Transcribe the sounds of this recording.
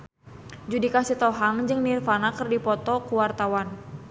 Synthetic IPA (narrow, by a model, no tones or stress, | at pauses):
d͡ʒudikasit̪ɔɦaŋd͡ʒɨŋnirfanakɨrdipɔt̪ɔkuwart̪awan